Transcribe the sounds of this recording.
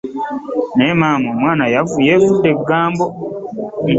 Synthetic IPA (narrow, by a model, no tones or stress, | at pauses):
nemaːmomwaːnajavuje̞ːvudːe̞ɡaːmbo̞